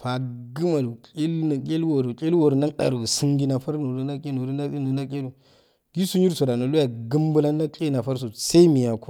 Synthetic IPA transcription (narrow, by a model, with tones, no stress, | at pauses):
pa˨ɡɨ˦ma˨lu˨kʼe˦lna˨kʲʼe˦lwo˨ɾu˨kʲʼe˦lwo˨ɾna˦ɗa̰˨ɾu˨si˦ŋɡi˦na˨fa˦ɾo˨du˦na˦kʲe˦no˨du˦na˦ki˦nu˨na˦kʲʼe˦lu˨ | ɡi˦su˦ɲi˦ɾso˨da˨no˨lu˦ja˨ɡu˦m˦bu˦la˦a˦kʼe˦na˨fa˦ɾs̬o˨sa˦i˦mi˨ja˨ku˦